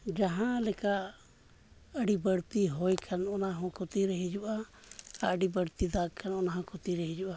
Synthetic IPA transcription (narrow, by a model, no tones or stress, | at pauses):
d͡ʒaɦãlɛka | əɖibəɽt̪iɦojkʰanɔnaɦɔ̃kʰot̪iɾəɦid͡ʒuʔa | aəɖibəɽt̪id̪aɡ̚kʰanɔnaɦãkʰot̪iɾəɦid͡ʒuʔa